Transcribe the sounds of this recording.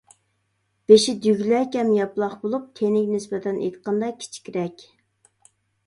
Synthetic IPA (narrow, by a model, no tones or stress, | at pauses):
b̥eʃid̪yɡʲlɛkʲɛmjɑplˠɑχbolˠup̚t̪ʰenɪkʲnɪsbɛt̪ʰɛnḛjt̪qʰɑnd̪ɑkʲʰi̥t͡ʃʰi̥kʲʰiɾɛkʲ